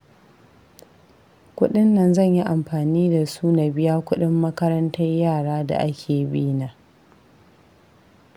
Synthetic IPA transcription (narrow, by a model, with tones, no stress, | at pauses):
kʷʊ˦ɗɪ˦nːɐ˨nzɐ˦˨ɲji˦ʔa˨mɸaː˨niː˦da˨suː˦na˨bɪ˦jaː˦kʷʊ˦ɗɪ˦mːɐ˦kɐ˦ɾɐ˦ntɐ˦jjaː˦˨ɽaː˦da̰˨ʔa˦kʲʰeː˨bi˦na˨